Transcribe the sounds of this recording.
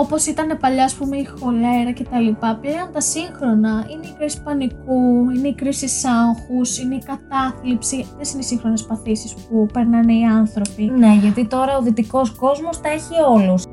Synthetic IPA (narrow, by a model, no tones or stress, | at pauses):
o̞po̞sit̪ɐne̞pɐʎɐːspume̞ixo̞le̞ɾɐce̞t̪ɐlipɐpleont̪ɐsiŋxɾo̞nɐine̞ikɾisi̥pɐnikuine̞ikɾisisɐŋxusine̞ikɐt̪ɐflipsiesine̞isiŋxɾo̞ne̞spɐθisispupe̞ɾnɐneiɐnθɾo̞pine̞ʝɐt̪it̪o̞ɾɐoðit̪iko̞sko̞zmo̞st̪ɐe̞çio̞lus